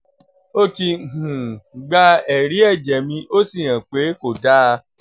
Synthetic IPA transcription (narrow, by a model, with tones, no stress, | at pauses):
o˦ti˧˨hũ˨ɡ͡ba˧˦ɛ˨ɾi˨˦ɛ˦˨d͡ʒɛ˨mĩ˧ʔo˦si˦˨j̃ã˨k͡pe˨˦ko˨da˦˧